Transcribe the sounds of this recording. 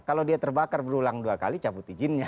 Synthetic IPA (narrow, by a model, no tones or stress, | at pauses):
kaladiat̪ərbakarbəɾulaŋduaka̰lit͡ʃabʊt̪id͡ʒɪnɲa